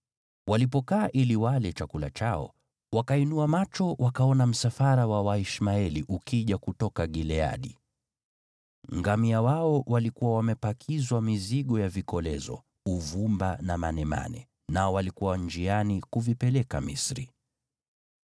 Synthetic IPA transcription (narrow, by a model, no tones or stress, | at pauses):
walipɔkaːʔiliwalɛt͡ʃakula̰t͡ʃaɔ̰ | wakainuamat͡ʃɔwakaɔnam̩safaɾawawaiʃmaɛliʔukiʄakutɔkaɠilɛa̰ɗi | ŋɡamiawaɔwalikuwawamɛpakʰizwamiziɠɔjavikɔlɛzɔ̰ | uvumbanamanɛma̰nɛ̰ | naɔwalikuwand͡ʒianikuvipɛlɛkamḭsɾi